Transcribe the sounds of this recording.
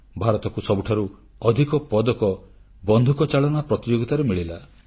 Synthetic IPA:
bʱaɾɔt̪ɔkusɔbuʈʰaɾu | ɔd̪ʱikɔpɔd̪ɔkɔ | bɔnd̪ʱukɔt͡ʃaɭɔnapɾɔt̪id͡ʒoɡit̪aɾemiɭila

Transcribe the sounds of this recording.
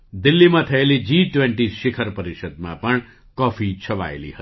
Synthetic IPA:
d̪ilːimãt̪ʰɐelid͡ʒiʈʋẽɳʈiʃɪkʰəɾpəɾiʃəd̪̚mã̰pəɳ | kɔfʰit͡ʃʰəʋa̰ḛlḭɦəi̥

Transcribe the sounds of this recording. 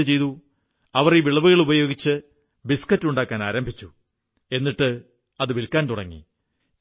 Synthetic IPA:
ɨt͡ɕe̞jt̪u | ɐʋɐriʋiɭɐʋuɣɐɭubɐjo̞ːɡit͡ɕːɨ | biskɐtːuɳɖaːkːaːnaːɾɐmbʱit͡ɕːu | e̞nːiʈːɨ | ɐðɨʋilkːaːnt̪uɽɐŋːḭ

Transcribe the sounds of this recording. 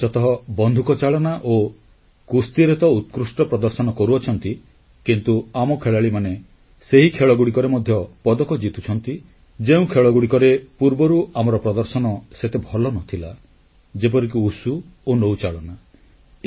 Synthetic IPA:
t͡ʃɔt̪ɔɦɔbɔnd̪ʱukɔt͡ʃaɭɔnaʔo | kust̪iɾet̪ɔut̪̚kɾusʈɔpɾɔd̪ɔɾsɔnɔkɔɾuɔt͡ʃʰɔnt̪i | kint̪uamɔkʰeɭaɭimane | seɦikʰeɭɔɡuɽikɔɾemɔd̪ʱjɔpɔd̪ɔkɔd͡ʒit̪u̥t͡ʃʰɔnt̪i | d͡ʒeũkʰeɭɔɡuɽikɔɾepuɾbɔɾuamɔɾɔpɾɔd̪ɔɾsɔnɔset̪ebʱɔlɔnɔt̪ʰila̰ | d͡ʒep̬ɔɾikuusuonowt͡ʃaɭɔna

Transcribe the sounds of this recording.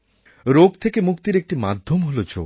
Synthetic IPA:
ɾoɡt̪ʰekemukt̪iɾek̚ʈimad̪ʱjomɦolod͡ʒo̰

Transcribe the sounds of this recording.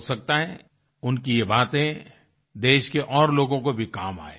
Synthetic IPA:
sɐk̚t̪aɦɛ | ʊnkijebaːt̪ẽ | d̪eːʃkeʔɔːɾloːɡõkobʱikaːma̰ːe

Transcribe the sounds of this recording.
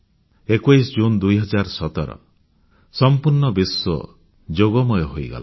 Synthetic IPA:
ekwajsd͡ʒund̪ujɦɔd͡ʒaɾsɔt̪ɔɾɔ̰ | sɔmpuɾɳɔbisːɔ̰ | d͡ʒoɡɔmɔjɔɦojɡa̰la

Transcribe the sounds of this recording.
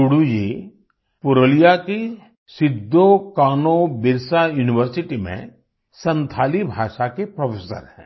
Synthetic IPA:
ʊɽuje | pʊɾəlijaki | sɪd̪ʱːokaːnobɪɾsajuːnɪʋəɾsɪʈimḛ̃ | sɐ̃nt̪ʰaːlibʱaːʃakepɾɔpʰeːsə̰ɾhɛ̰̃ː

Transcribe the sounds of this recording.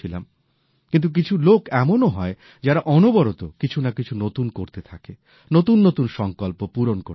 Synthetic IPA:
ila̰m | kint̪̬uk̬it͡ɕʰulokɛmonoɦɔe | d͡ʑaɾaʔɔnobɔɾot̪okit͡ɕʰunakit͡ɕʰunot̪unkoɾt̪et̪ʰake | not̪unːot̪unʃɔŋkolpopuɾonko

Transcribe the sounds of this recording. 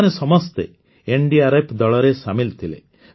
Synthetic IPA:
nesɔmɔst̪e | eɳɖiaɾepʰd̪ɔɭɔɾesamilt̪ʰilḛ

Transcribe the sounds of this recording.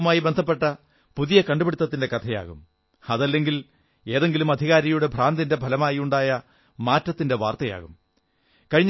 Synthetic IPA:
maːjibend̪ʱɐp̬ːe̞ʈːɐ | puðijɐkɐɳɖubeɽit̪ːɐt̪ːinde̞kɐt̪ʰɐja̰ːɣṵm | ɐðɐlːe̞ŋɡil | e̞ːðe̞ŋɡilumɐd̪ʱiɣaːɾɐjuɽe̞bʱraːnd̪inde̞bʱɐlɐmaːjiuɳɖaːjɐ | maːtːɐt̪ːinde̞ʋaːrt̪ɐja̰ːɣum | kɐɻiɲː

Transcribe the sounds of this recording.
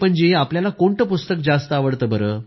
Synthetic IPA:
pəɳd͡ʑeapljalakoɳʈəpust̪ək̚d͡zast̪əaʋəɽt̪əːbəɾəː

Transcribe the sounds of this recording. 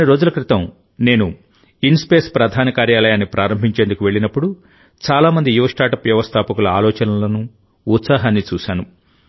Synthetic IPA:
niɾo̞ːd͡ʒulɐkɾit̪ɐm | ne̞ːnu | inspe̞ːspɾɐd̪ʱaːnɐkaːɾjaːlɐjaːnːipɾʔaːɾɐmbʱiɲt͡ʃend̪ukuʋe̞ɭːinɐpːuɽu | t͡ʃaːlaːmɐnd̪ijuʋɐʂʈaːɾʈɐpʋjɐʋɐst̪ʰaːpɐkulɐaːlɔːt͡ʃɐnɐlɐnuː | t̪saːɦaːnːit͡ʃuːʃaːnu

